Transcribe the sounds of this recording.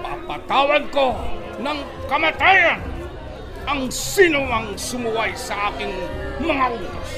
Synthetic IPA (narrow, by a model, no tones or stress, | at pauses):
pa̰pat̪awanko | naŋ | kamat̪ean | aŋsinuaŋsumuajsaːkiŋməŋaɾiŋko